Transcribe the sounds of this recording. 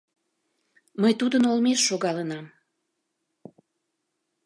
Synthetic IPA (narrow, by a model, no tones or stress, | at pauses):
məjt̪ud̪ənolmeʃːoɣɑlənɑm